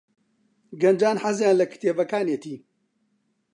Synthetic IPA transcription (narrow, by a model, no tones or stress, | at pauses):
ɡɐnd͡ʒaːnħazjaːnlɐkt̪ʰeːvɐkaːneːt̪ʰiː